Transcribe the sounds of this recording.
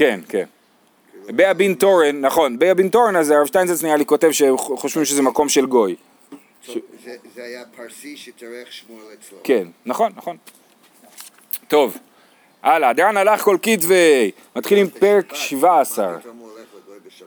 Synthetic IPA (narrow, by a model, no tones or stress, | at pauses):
kenkḛn | beabint̪oʁenːaχo̞nbeabint̪o̞ʁenazaʁavʃt̪ajnzesnijaliko̞t̪e̞vʃeχo̞ʃvimʃezemako̞mʃe̞lɡo̞j | kenːaχo̞nːaχo̞n | t̪o̞v | ʔalaːd̪eanalaχko̞lkitvej | mat̪χilimpeʁekʃivaːsa̰ʁ